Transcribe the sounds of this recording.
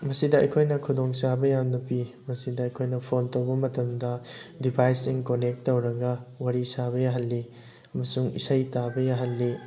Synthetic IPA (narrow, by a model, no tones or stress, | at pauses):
mɐsidɐɐ̰jkʰojnɐkʰudoŋsabɐjamnɐpi | mɐsidɐɐjkʰojnɐpʰontowbɐmɐtɐmdɐdibʰʱajsiŋkonek̚tːowɾɐɡɐwaɾisaβɐjaɦɐlːi | ɐmɐsuŋḭsɐjtabɐjaɦɐlːi